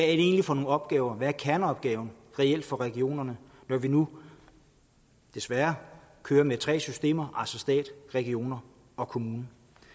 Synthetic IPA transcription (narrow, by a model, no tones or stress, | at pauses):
ʋæædɾ̥ee̝ːnlifɒ̽no̝ːnɒ̽b̥̚ɡ̥ɛːʊɐʋæɐkʰæɐnəɒ̽b̥̚ɡ̥ɛːʊn̩ | ʁɛel̰d̥fɒ̽ʁɛɡ̥io̝̰ːnɐnə | nɒʋinu | d̥e̝sʋæɐkʰøːɐmet͡sʰʁɛ̰ːsysd̥e̝̰ːmɐʔælsɒ̽sd̥ɛ̰ːd̥ʁɛɡ̥io̝̰ːnɐ | ɒ̽kʰo̝muːnə